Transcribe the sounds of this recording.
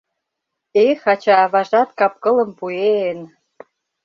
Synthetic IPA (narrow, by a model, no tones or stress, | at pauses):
exɑt͡ɕɑβɑʒɑt̪kɑp̚kɤ̆lə̆mpuen